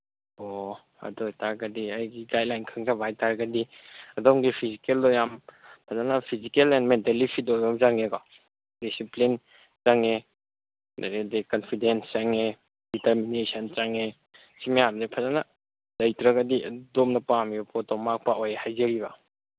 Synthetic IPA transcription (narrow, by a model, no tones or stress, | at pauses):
ɔ | ɐ̰dɔjtaɾɡadiɐjɡiɡaj̚lajnkʰɯŋzabajtaɾɡadiɐdɔmɡipʰizikeldɔjampʰazanapʰizikelɛnmentelipʰitɔjɔmzaŋekɔ | disiplin | t͡ʃaŋe | daɾedekɔnpʰidenst͡ʃaŋe | diteɾminesant͡ʃaŋe | simejamzepʰazana | dɐjtɾaɡɐdidɔmnɐpampʰɔtɔmak̚paʔojhajzeɾiβa